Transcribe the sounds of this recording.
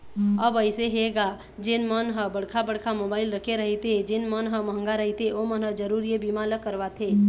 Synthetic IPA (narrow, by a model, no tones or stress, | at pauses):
əbəɪseɦeɡa | d͡ʒɪnmənɦəbəɽkʰabəɽkʰamoːbaːɪlɾəkʰeɾəɦit̪ed͡ʒɪnmənɦəməɦə̃ŋɡaɾəɦit̪eomənɦəd͡ʒəɾuːɾiebimaləkːəɾbat̪ʰeː